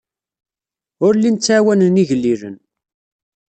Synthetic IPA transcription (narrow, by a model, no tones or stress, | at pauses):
ʊɾlint͡sːʕawænəniʝəlːiɾə̰n